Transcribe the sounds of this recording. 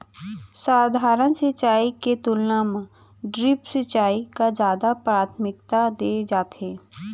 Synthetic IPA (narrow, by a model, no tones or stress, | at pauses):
saːd̪ʱaːɾənsət͡ʃaːiket̪ʊlnam | ɖɾɪpsət͡ʃaːikazjaːd̪apɾaːt̪ʰmɪk̚t̪ad̪eːd͡ʒaːt̪eː